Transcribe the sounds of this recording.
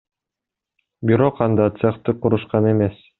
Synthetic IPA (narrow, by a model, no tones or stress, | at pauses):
biɾoqɑnd̪ɑt̪seχt̪ɯquɾuʃqɑnemes